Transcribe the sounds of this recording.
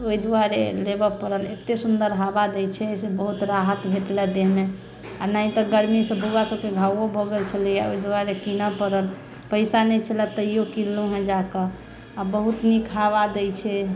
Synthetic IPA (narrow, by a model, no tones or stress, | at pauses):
oid̪uaɾelebəpəɾəlet̪esund̪əɾɦabad̪ɛjt͡ʃʰɛsebəɦut̪ɾaɦət̪bʱeʈlɛd̪eɦme | anaĩt̪ɔɡəɾmisəbuɡasəbkeɡʱawɔbʱɔɡelt͡ʃʰəlijaoid̪waɾekinəpəɾəl | pəɪsanɛt͡ʃʰəlɛt̪əijokilːuɦɛ̃d͡ʒakə | abəɦut̪nikʰaβad̪ɛjt͡ʃʰɛ